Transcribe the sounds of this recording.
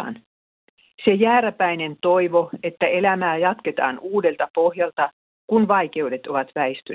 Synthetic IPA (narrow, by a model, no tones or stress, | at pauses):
n | sejæːɾæpæjne̞nt̪o̞iʋo̞e̞t̪ːæe̞læmæːjɑt̪ke̞t̪ɑ̰ːnuːde̞lt̪ɑpo̞hjɑlt̪ɑ | kunʋɑijk̟e̞ude̞t̪o̞ʋɑt̪ʋæest̪y